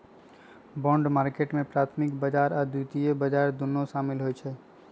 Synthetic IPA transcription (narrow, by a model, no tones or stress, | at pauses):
bɔ̃ːɳɖmaːɾkeːʈmẽpɾaːt̪ʰmɪkbəd͡ʒaːɾad̪uːt̪ijebəd͡ʒaːɾd̪ʊnːõʃaːmɪlɦoɛt͡ʃʰɛː